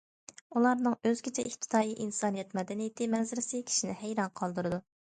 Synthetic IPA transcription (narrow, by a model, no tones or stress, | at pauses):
ulˠɑɾnɨŋøzɡʲʰet͡ʃʰɛʔift̪ʰɪ̥d̪ʰɑːjiʔinsɑːnijɛt̪mɛd̪ɛnijɪt̪ʰɪmɛzɪɾɪsɪkʲʰi̥ʃinɪ̰hæjɾɑnqʰɑlˠd̪uɾɨd̪u